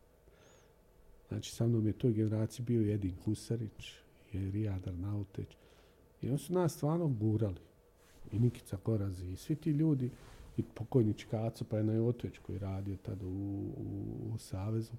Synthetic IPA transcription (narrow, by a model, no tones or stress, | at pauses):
zna̰ːt͡ʃi̥samno̞ːmjet̪o̞ːjɡene̞ɾaːt̪sijibiːo̞jed̪inhusaɾit͡ʃ | ieɾiaːd̪aɾnaut̪ḛt͡ʃ | ḭo̞nsunaːst̪ʋaːɾno̞ɡuːɾali | iniki̥t̪saɡo̞ɾaziːsʋit̪iːʎuːd̪iipʰokojnit͡ʃi̥kaːt̪sopajenajoːt̪ot͡ʃko̰jḭɾaːd̪iot̪ad̪ṵ | saːʋe̞zu